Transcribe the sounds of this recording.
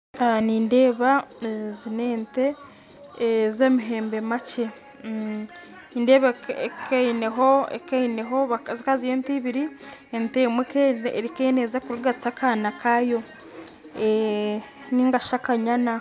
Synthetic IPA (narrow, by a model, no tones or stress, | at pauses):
aniːnde̞ːβazineːnte̞ | zemiɦe̞ːmbe̞mace | iːndeːβaekeineɦoḛkeineɦoβazikazijeːntiβiɾientemweeɾikenezakuɾuɡat͡sakaːnakajo̞ | e | niːŋɡaʃakaɲana